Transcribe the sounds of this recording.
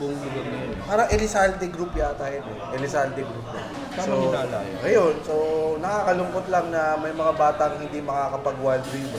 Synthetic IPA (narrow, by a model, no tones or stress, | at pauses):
bʊŋɪlotnɐjonpaːɾɐŋʔɛlɪsalt̪ɪɡɾupjat̪ajɛt̪ɛʔɛlɪsalt̪ɪɡɾupja̰ | aoɪnaːla̰jɐjonsonɐkaːkɐlʊŋkot̪lɐŋnɐmɐjmɐŋabaːt̪ɐŋhɪnd̪imɐkakɐpɐɡwald̪ɾib